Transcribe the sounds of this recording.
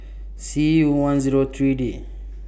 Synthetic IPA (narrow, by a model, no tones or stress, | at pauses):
siuwãnziɾot̪ɾide